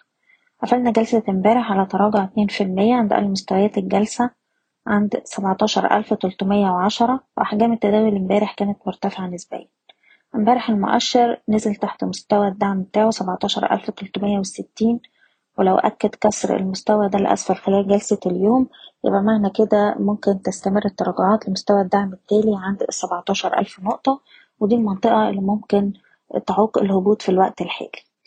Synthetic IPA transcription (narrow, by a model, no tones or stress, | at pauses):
ʕafælnæɡælsæmbæːɾeħʕalæt̪ˤɑɾˤɑːɡoʕt̪neːnfilmejːæʕand̪ʔæ̰lːmost̪æwæjæːt̪elɡælsæ | ʕand̪sæbʕt̪ˤɑːʃɑ̰ɾˤʔæ̰lft̪olt̪ˤmejːæweʕaʃɑɾˤɑweʔaħɡæːmet̪ːæd̪æːjolembæːɾeħkæːnæt̪moɾt̪æfeʕanesbæ̰ːjːæ | ʔmbæːɾeħelmo̰ʔæ̰ʃːɑɾnezelt̪aħt̪most̪æwæd̪ːaʕmbet̪aːʕosæbɑʕt̪ˤɑːʃɑ̰ɾˤʔæ̰lft̪olt̪ˤmejːæweset̪ːiːn | welæwʔæ̰kːæd̪kɑsˤɾḛlmost̪æwæd̪ælʔæ̰sfæɾxelæːlɡælsæljoːmjḛbʔæmaʕnæked̪æmomkent̪æst̪æmerːet̪ˤːɑɾˤɑːɡoʕɑːt̪lemost̪æwæd̪ːaʕmet̪ːæːliʕand̪sˤːɑbʕt̪ˤɑːʃɑɾˤʔæ̰lfnoʔt̪ˤɑ | wed̪iːlmɑnt̪ˤeʔɑelːimomken | t̪ʕuːqḛlhobuːt̪filwæʔt̪elħḛːli̥